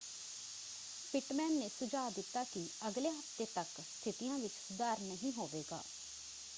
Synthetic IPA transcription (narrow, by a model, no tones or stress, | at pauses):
pɪʈmɛːnːeːsʊd͡ʒaːd̪ɪt̪ːaːkɪəɡleːɦəft̪eːt̪ək | st̪ʰɪt̪ɪjãːʋɪt͡ʃsʊd̪aːɾnəɦĩːɦoːʋeːɡa̰ː